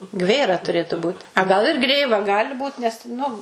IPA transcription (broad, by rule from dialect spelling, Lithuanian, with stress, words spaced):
ˈɡʋʲeːrɐ tʊˈrʲeːtʊ buːt ɐ ˈɡɐlˠ ɪr ˈɡrʲeːʋɐ ˈɡɑːlʲɪ ˈbuːt nʲɛs ˈnʊ